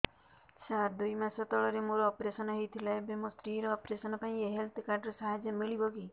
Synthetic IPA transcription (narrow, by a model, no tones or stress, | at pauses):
sad̪ujmasɔt̪ɔɭɔɾemoɾɔːpɾesɔnɔɦejt̪ʰilaebemost̪ɾiɾɔːpɾesɔnɔpaĩeɦelt̪ʰkaɾɖɾɔsaɦad͡ʒɔmiɭibɔɡi